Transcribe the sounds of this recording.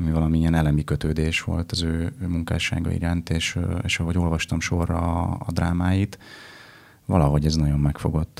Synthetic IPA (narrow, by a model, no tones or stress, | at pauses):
ɒmivɒlɒmiiɛnɛlɛmikøt̪øːd̪eːʃʋo̞̰lt̪ɒzøːmuŋka̰ːʃa̰ːɡɒ̰ḭɾaːnt̪eːʃeːʃɒɦo̞ɟo̞lvɒʃt̪ɒmʃo̞rːɒ̰ːd̪ɾaːmaːjit̪ | vɒ̰lɒɦo̞ɟɛznɒɟo̞mːɛkfo̞ɡo̞t̪ː